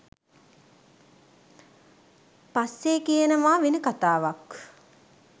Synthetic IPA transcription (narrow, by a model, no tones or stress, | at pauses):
pasːeːkijenəʋaːʋenəkat̪aːʋak